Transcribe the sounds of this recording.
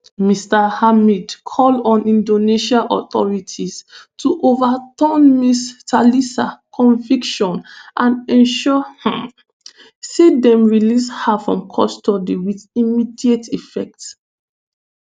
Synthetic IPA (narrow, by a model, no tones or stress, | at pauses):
mistahamidkʰɔlɔ̃nĩndoneʃalʔɔθɔ̰ɹitʰistʰuʔovatɔ̃nmistalisakʰɔ̃ɱvikʃɔ̃nʔãnɛ̃nʃɔhɛ̃ | sedɛ̃mɹilishafɹɔ̰̃mkʰɔstɔdiwiðimidietifɛk̚t